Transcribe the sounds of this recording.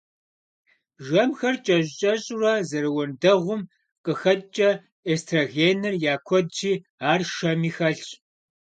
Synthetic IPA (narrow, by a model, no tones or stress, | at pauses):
ʒɐmxɐrt͡ʃʼɐɕɕʼɐɕʼʊrɐzɐɾɨwɔndɐʁʷʊm | qʼəxɐtʼt͡ʃʼɐ | eːstʰraɣeːnɨrjaːkʷʰɔd̚d͡ʒiː | aːrʃɐmiːxɐɬt͡ʃ